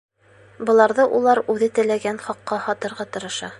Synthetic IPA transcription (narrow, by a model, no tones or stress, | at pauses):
bɤ̆lˠɑɾðɤʔulˠɑɾʉðɘt̪ɘ̆læɡænχɒqːɑhɒt̪ɤ̆ɾʁɑt̪ɤ̆ɾɤ̆ʃɑ